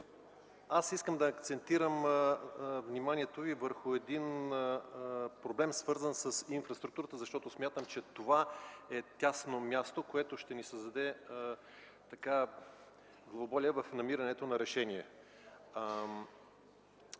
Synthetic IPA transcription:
asiskəmd̪ɐːkt̪sɛnt̪iɾəm | vnimaniɛt̪ovivəɾxʊɛd̪in | pɾoblɛmsvɤɾzənsəsinfɾɐst̪ɾuk̚t̪uɾət̪əzɐʃt̪ɔt̪osmʲjat̪əmt͡ʃɛt̪ovaɛt̪ʲasnomʲjast̪okoɛt̪oʃt̪ɛnisəzd̪ɐd̪ɛ | t̪ɐka | ɡlˠɐobɔlʲiəvɐfnɐmiɾɐnɛt̪onɐɾɛʃɛnʲiɛ

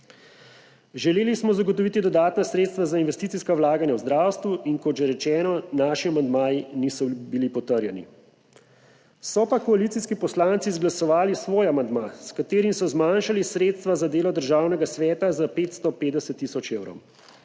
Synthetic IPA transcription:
ʒɛleːlismɔzaɡɔt̪ɔʋiːt̪id̪ɔd̪aːt̪nasɾeːt̪st̪ʋazainʋɛst̪it̪siskawlaːɡanjawzd̪ɾaːwst̪ʋuʔinkɔd̪ʒɛɾɛt͡ʃɛːnɔnaːʃiamand̪maːjinisɔbilipɔt̪əɾjɛnḭ | sɔpakɔalit̪iskipɔslaːnt̪sizɡlasɔʋaːlisʋoːjamand̪maskat̪eːɾimsɔzmanʃalisɾeːt̪st̪ʋazad̪eːlɔd̪əɾʒaːwnɛɡasʋɛːt̪azapeːt̪st̪ɔpeːd̪d̪ɛsɛt̪ːisɔt͡ʃeːwɾɔ̰w

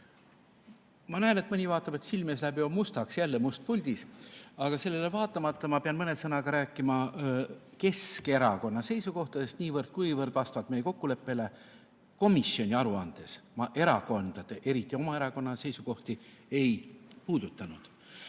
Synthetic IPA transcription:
mɑnæeːne̞t̪mɤnʲivɑːt̪ˑːɑbe̞t̪silmeslæbiomust̪ɑksjælːemust̪̚pulʲd̪̥isɑɡ̥ɑse̞lːelevɑːt̪ːˑɑmɑt̪ˑːɑmɑpeɑnmɤne̞sɤnɑɡ̥ɑɾæːkːˑimɑ | ke̞ske̞ɾɑko̞nːɑse̞jsuko̞ht̪ɑd̪e̞st̪niːvɤrd̪̥̚kujvɤrd̪vɑst̪vɑd̪̥me̞jeko̞kːule̞pːe̞le̞ | ko̞misjo̞nʲiɑɾuɑnd̪̥e̞smɑʔe̞ɾɑko̞nd̪̥ɑd̪̥e̞ʔe̞ɾit̪ːˑio̞mɑe̞ɾɑko̞nːɑse̞jsuko̞ht̪i | e̞jpuːd̪̥ut̪ːˑɑnud̪̥

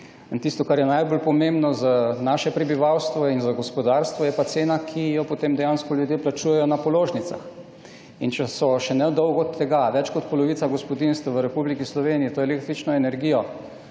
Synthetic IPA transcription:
ənt̪ist̪ɔkaɾjɛnajbolpɔmembnɔzanaːʃɛpɾɛbiʋawst̪ʋɔinzaɡɔspɔd̪aɾst̪ʋɔjɛpat̪seːnakʰijɔpot̪emd̪ɛjanskɔljud̪jeplat͡ʃuːjɛjɔnapɔloːʒnit̪sa̰x | int͡ʃɛsɔʃɛnɛd̪ɔwɡɔt̪ʰːɛɡaʋɛt͡ʃkɔt̪pɔlɔʋiːt̪saɡɔspɔd̪inst̪ʋaʋəɾɛpublikislɔʋeːnijit̪oːjɛlek̚t̪ɾit͡ʃnɔɛnɛɾɡijɔ

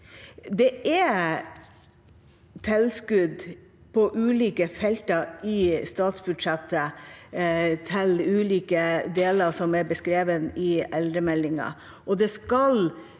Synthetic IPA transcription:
d̪ɛæ | t̪ʰɛlskʉd̪ | pʰɔʔʉːliːkəfɛlt̪əɾɪst̪ɑːt̪sbʉɖ̪ʂɛt̪ʰːə | t̪ʰɪlʉːliːkəd̪eːləɾsɔmæɾbəskɾeːʋənɪɛld̪ɾəmɛlːɪŋɑ̰ | ʔɔd̪ɛskɑl

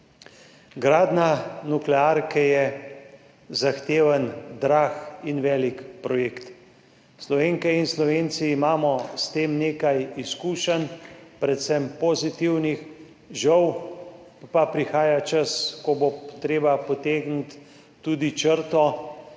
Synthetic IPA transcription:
ɡɾaːd̪nanuklɛaɾkɛjɛ | zaxt̪eːʋənd̪ɾaːxinʋɛːlikpɾɔjeːkt̪ | slɔʋeːŋkɛinslɔʋeːnt̪siːmaːmɔst̪eːmneːkajiskuːʃənpɾɛt̪sɛmpozit̪iwnix | ʒəw | papɾixaːjat͡ʃəskɔbot̪ɾeːbapɔt̪eːɡnit̪ː | uːd̪it͡ʃəɾt̪ɔ

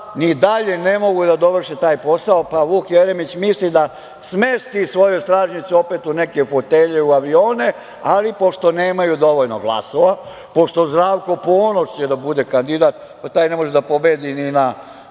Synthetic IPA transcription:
nid̪aʎenemo̞ɡud̪ad̪o̞ʋr̩ʃet̪aːjpo̞saopaʋuːkjeɾemit͡ɕmislid̪a | smest̪isʋo̞jojst̪ɾaːʒɲit̪suo̞pet̪unekeufot̪eʎeuaʋio̞ːne | alipo̞ʃt̪o̞neːmajud̪o̞ʋo̞ʎnoɡlˠa̰soʋa | po̞ʃt̪o̞zd̪ɾaːʋko̞poːnoʃt͡ɕed̪abud̪ekand̪id̪at̪ | pat̪aːjnemo̞ʒɛd̪apo̞beːd̪inina

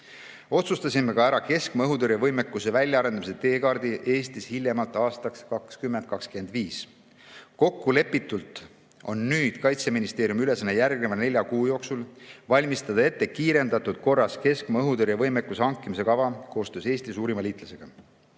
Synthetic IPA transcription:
o̞t̪sust̪ɑsʲimːekɑæɾɑke̞skmɑɤɦud̪øɾjɑvɤjmekːˑuse̞vælʲjɑɑɾend̪ɑmiset̪e̞ːkɑrd̪̥iʔe̞ːst̪ishilʲjemɑlt̪ːˑɑːst̪ɑkskɑkskymːe̞nd̪̥̚kɑkskyend̪̥viːs | ko̞kːule̞pːˑit̪ːult̪ˑ | o̞nːyːd̪̥kɑjt̪seminist̪e̞ːɾjumyle̞sɑnːejærɡ̥̚nevɑnelʲjɑkuːjo̞ːksulvɑlʲmist̪ɑd̪̥ɑe̞t̪ːe̞kiːɾe̞nd̪ɑt̪ud̪̥ko̞rːɑske̞skmɑɤɦud̪øɾjɑvɤ̞jmekːˑuseɑŋkːˑimise̞kɑvɑko̞ːst̪øːse̞ːsʲt̪isuːɾimɑliːt̪ˑlɑse̞ɡ̥ɑ

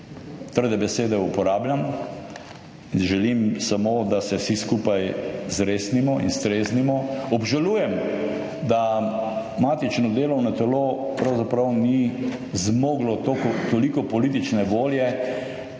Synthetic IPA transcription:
t̪əɾd̪ɛbɛseːd̪ɛupɔɾaːbljam | inʒɛlimsamoːd̪asɛsiskupajzɾeːsnimɔḭnst̪ɾesnimɔɔbʒaluːjɛm | d̪a | maːt̪it͡ʃnɔd̪eːlɔwnat̪ɛlopɾawzapɾawni | zmoːɡlɔt̪okɔt̪olikɔpɔlit̪̬it͡ʃnɛʋoːljɛ

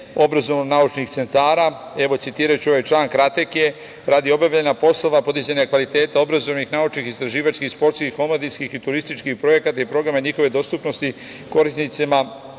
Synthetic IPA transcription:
o̞bɾazo̞ʋnonaut͡ʃnixt̪se̞nt̪aːɾa | e̞ʋo̞tsit̪iːɾajut͡ɕuoʋajt͡ʃlˠaːŋkɾat̪ekije̞ | ɾad̪io̞bjaʋʎenapo̞slo̞ʋapo̞d̪izaɲakʋalit̪e̞ːt̪ao̞bɾazo̞ʋnixnaut͡ʃnixist̪ɾaʒiːʋat͡ʃskixspo̞ɾt̪skixːo̞mod̪ijskixit̪uɾist̪it͡ʃkixpɾo̞je̞kat̪aipɾo̞ɡɾamaɲixo̞ʋed̪o̞st̪upno̞st̪i | ko̞ɾisnit̪sima

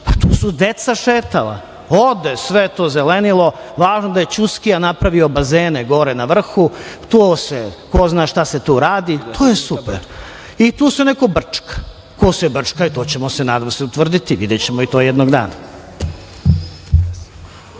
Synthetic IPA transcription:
pat̪uːsud̪et̪saʃeːt̪ala̰ | od̪esʋet̪o̞ːzelenilo̞ʋaːʒnod̪aje̞t͡ɕuskijanapɾaʋiobazeːneɡo̞ɾenaʋr̩xut̪oːsekoznaːʃt̪ase̞t̪uːɾaːd̪it̪ʰoːjesupeɾ | it̪uːsunekobr̩t͡ʂkḁ | kosɛbr̩t͡ʂkait̪oːt͡ɕe̞mo̞senaːd̪amoseut̪ʋr̩d̪it̪iʋḭd̪et͡ɕemoit̪ojed̪noɡd̪a̰ːna

